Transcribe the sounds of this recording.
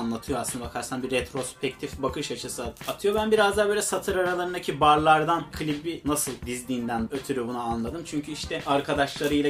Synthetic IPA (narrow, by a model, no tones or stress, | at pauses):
nlˠat̪ʰɯjoasɯnd̪abakʰaɾsanbiɾet̪ʰɾo̞spʰɛc̚t̪ʰifbakʰɯʃat͡ʃʰɯsɯat̪ʰɯjo̞bænbiɾazd̪aːbølʲɛsat̪ʰɯɾaɾalˠaɾɯnd̪acʰibaɾlˠaɾd̪ankʰɯlʲibinasɯlˠd̪izd̪ʲiːnd̪ænøt̪ʰyɾyjobunaanlˠad̪ɯmt͡ʃʰyɲcʰyiʃt̪ʰɛaɾkʰad̪aʃlˠaɾɯjlˠa